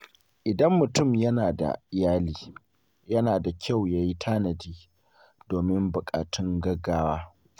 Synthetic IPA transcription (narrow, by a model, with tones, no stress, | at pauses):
ʔɪ˨dɐ˦mːʊ˨tʊ˦˨mjɐ˦naː˨da̰˨ʔɪ˨jaː˦liː˦ | jɐ˦naː˨da˨kʲa˦˨wjaː˦ji˦tʰaː˦nɐ˨diː˦ | d̥oː˨mɪ˦mbʊ˨kʼa̰ː˨tʊ˦ŋɡɐ˦ɡːaː˦waː˦